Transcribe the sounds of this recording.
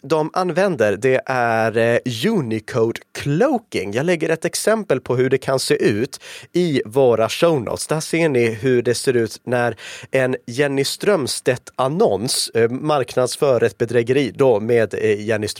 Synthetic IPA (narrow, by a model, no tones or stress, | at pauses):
d̪ɔmʔanvɛnd̪əɾd̪ɛʔæɾjʉːnɪkʰoʊd̪kʰloʊkɪŋjɑːɡlɛɡːəɾɛt̪ɛksɛmpəlpʰɔɦɵɖɛkʰanseːʔʉ̟ːt̪ɪvoːɾaʂəʊnʔə̰t̪sd̪ɛhæːʂeːɳɪɦɵɖɛseːɾʉ̟ːt̪næɾɛnjɛnːɪst̪ɾœmst̪ɛt̪ʰːanɔnsmaɾknad̪sfœːɾɛt̪̚bɛd̪ɾɛɡəɾiːd̪ɔmeːd̪jɛnːɪst̪